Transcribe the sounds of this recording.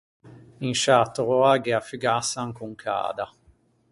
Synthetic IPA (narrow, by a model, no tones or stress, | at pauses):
inʃat̪oɾoaɡɛafyɡasaŋkuŋkʰa̰ːd̪a